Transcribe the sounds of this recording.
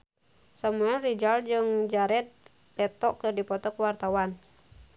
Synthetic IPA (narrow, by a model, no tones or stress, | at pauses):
samuɛlrid͡ʒald͡ʒɨŋd͡ʒaɾɛt̪̚ | pɛt̪ɔʔkɨrdipɔt̪ɔkəwart̪awan